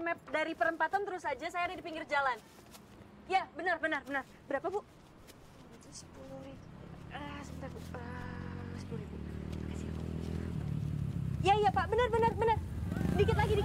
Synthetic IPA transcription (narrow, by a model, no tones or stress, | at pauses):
mɛp̚daɾipəɾəmpat̪ant̪əɾʊsad͡ʒasajanidipiŋɡɪrd͡ʒalan | jabənərbənərbənər | bəɾapabuʔ | sə̥puluɾiəsəbənt̪arbuəsə̥puluibumakasiaka | jaijapaʔbənərbənərbənərdikɪt̪laɡidi